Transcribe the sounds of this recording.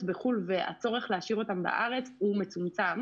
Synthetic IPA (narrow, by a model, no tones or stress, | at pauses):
tbeχulvea̰t͡so̞ʁe̞χleaʃiʁo̞tamba̰ʔaʁe̞t͡shume̞t͡sumt͡sam